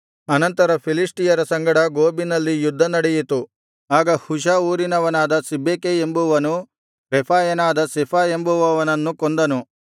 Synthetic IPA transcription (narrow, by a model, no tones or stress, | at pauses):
ɐnɐnt̪ɐɾɐpʰilisʈijɐɾɐsɐŋɡɐɽɐɡoːbinɐlːijud̪ʱːɐnɐɽɛjit̪u | aːɡɐhuʃ̬auːɾinɐʋɐnaːd̪ɐsibʱːeːkeembuʋɐnu | ɾepʰaːjɐnaːd̪ɐsepʰaːe̞mbuʋɐʋɐnɐnːukond̪ɐnu